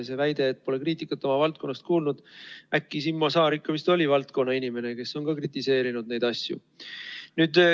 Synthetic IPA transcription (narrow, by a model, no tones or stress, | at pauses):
sevæjd̪̥e̞ːt̪̚ːpo̞le̞kriːt̪ːˑikːˑɑt̪ːˑo̞mɑvɑlt̪̚ko̞nːɑst̪kuːlnud̪̥ækːisimːosɑːɾikːɑmist̪o̞lʲivɑlt̪ko̞nːɑinime̞ne̞ke̞sːo̞nkɑkrit̪ːˑise̞ːɾinud̪̚ne̞jd̪ɑsʲjṵ | nyːd̪